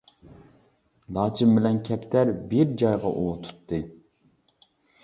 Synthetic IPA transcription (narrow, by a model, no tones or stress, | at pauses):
lˠɑːt͡ʃʰimbɪlɛnkʲʰɛpt̪ʰæɾbiɾd͡ʒɑjʁɑ̰ʔut̪ʰu̥t̪ʰːɨ